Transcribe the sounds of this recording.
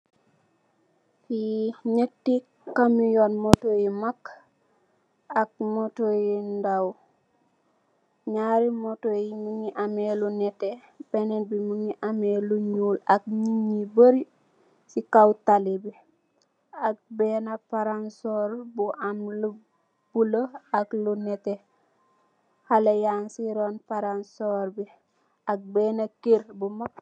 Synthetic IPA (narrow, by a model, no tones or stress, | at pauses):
kinetːi | kamijonmotojimak | ak̚motojindaw | ɲaɾimotojimuŋiʔamelunɛte | benenbimuŋiʔameluɲuːlak̚ɲiɲːibəɾi | sikawtalibi | ak̚beːnapaɾansoːɾbuʔamlu | b̥uloaklunɛte | halejansiɾonpaɾansoːɾbi | ak̚beːnakiɾbumak̚